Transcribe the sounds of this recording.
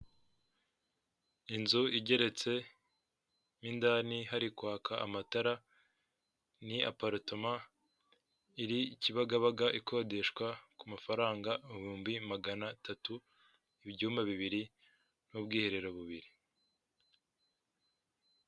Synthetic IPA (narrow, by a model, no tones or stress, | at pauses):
inzuiɟe̞ɾe̞t͡se̞ | mindanihaɾikwaːkʰaʔa̰mataɾa | nia̰paɾutoma | iɾiciβaɡaβaɡaʔikʰo̞ːde̞ʃkwakumafaɾaːŋɡauβuːmbimaɡanatatu | iβɟuːmaβiβiɾi | nubɡiːhe̞ɾe̞ɾoβuβiɾi